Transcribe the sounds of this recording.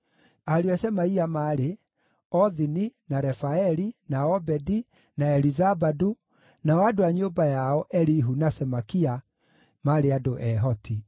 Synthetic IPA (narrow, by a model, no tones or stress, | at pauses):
aɾiasɛmaiamaːɾe | ɔðininaɾɛfaɛɾinaɔbɛdi | naɛlizabadu | naɔadoaɲoːbajaɔʔɛɾiɦunasɛmakia | maɾeadoʔɛɦɔti